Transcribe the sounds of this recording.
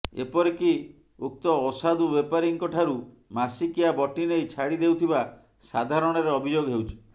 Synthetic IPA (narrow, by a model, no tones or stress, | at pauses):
ḛpɔɾeki | uk̚t̪ɔːsad̪ubepaɾiŋkɔʈʰaɾu | masikiabɔʈinejt͡ʃʰaɽid̪ewt̪ʰiba | sad̪ʱaɾɔɽ̃ɔɾeɔbʱid͡ʒoɡɦewt͡ʃʰi̥